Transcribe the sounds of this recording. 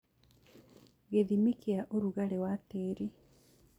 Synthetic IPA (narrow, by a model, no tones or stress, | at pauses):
ɣeðimikiaʔoɾuɣalewateːɾi